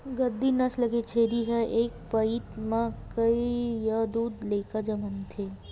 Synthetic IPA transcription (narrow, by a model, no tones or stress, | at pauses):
ɡəd̪inəsləɡet͡ʃʰeɾiɦəʔeːk̚pəit̪mãkəijad̪uːd̪lekad͡ʒəmənt̪ʰe